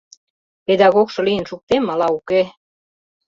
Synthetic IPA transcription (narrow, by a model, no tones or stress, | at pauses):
ped̪ɑɣokʃɤ̆lijənʃuk̚t̪emːɑlɑuke